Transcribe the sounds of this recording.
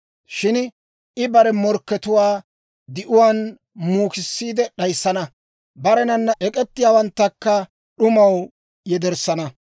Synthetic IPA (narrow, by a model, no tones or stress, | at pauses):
ʃɪn | ɪbɐɾɛmɔɾkːɛt̪ʊwaː | d̪ɪʔʊwaːn | muːkɪsːiːd̪ɛɗɐjsːɐnɐ | bɐɾɛnɐnːɐʔɛkʼɛt̪ːɪjaːwɐnt̪ːɐkːɐ | ɗʊmɐw | jɛd̪ɛɾsːɐnɐ